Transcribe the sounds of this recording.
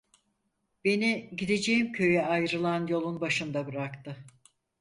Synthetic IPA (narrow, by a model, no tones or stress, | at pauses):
b̥e̞niɟid̪e̞d͡ʒejimcʰø̞jɛajɾɯlˠanjo̞lˠunbaʃɯnd̪abɯɾakt̪ɯ